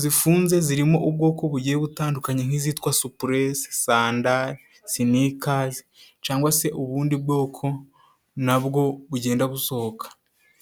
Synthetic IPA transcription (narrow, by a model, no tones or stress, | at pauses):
zifuːnze̞ziɾimo̞ʔubɡo̞ːko̞βuɟijeβutaːndukaɲeŋ̥hizitkwasupuɾessaːndaɾ | sinikazit͡ʃaːŋɡwase̞ʔuβuːndibɡo̞ːkʰo̞ | naβɡo̞βuɟe̞ːndaβuso̞hokḁ